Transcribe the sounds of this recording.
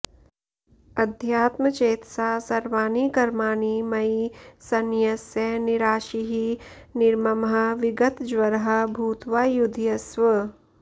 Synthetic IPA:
ɐd̪ʱjaːt̪mət͡ʃeːt̪saːsɐɾʋaːniːkɐɾmaːniːmɐisɐnjɐsjɐnɪɾaːʃiɦi | nɪɾmɐmɦɐʋɪɡət̪d͡ʒʋɐɾɦɐ̆bʱuːt̪ʋaːjud̪ʱjɐsʋə

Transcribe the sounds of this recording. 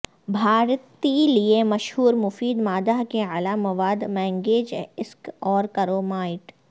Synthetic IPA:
bʱaːɾt̪iliemɐʃɦuːɾmʊfiːd̪maːd̪aɦkealamɐʋaːd̪mɛ̃ːŋɡeːd͡ʒɪskɔːɾkɐɾoːmaːɪʈ

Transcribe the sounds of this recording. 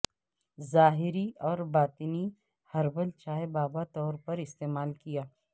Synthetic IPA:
zaːɦɪɾiɔːɾbaːt̪ɪni | hɐɾbəlt͡ʃaːebaːbat̪ɔːɾpɐɾɪst̪eːmaːlkijaː

